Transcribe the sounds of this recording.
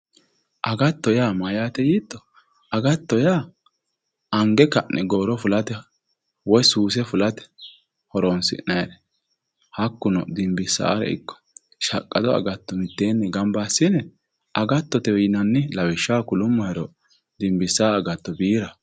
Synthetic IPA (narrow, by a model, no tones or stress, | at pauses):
ʔɐɡɐt̪ːɔjaːmɐjaːt̪ɛjiːt̪ːɔ | ɐɡɐt̪ːɔjaː | ɐŋɡɛkɐnʔɛɡoːɾɔfʊlɐt̪ɛ | wɔjsuːs̬ɛfʊlɐt̪ɛ̥ | hɔɾoːnsɪ̰ʔnɐjɛɾɛ | hɐkːʊnɔd̪ɪmbɪsːa̰ːɾɛ̰ɪ̰kːɔ̥ | ʃɐkʼːɐd̪ɔɐ̰ɡɐt̪ːɔmɪt̪ːeːnːɛɡɐmbaːsːɪnɛ | ʔɐɡɐt̪ːɔt̪ɛwjɪnɐnːɪlɐwɪʃːaːkʊlʊmːɔjɛɾɔ | d̪ɪmbɪsːaːɐɡɐt̪ːɔbiːɾɐ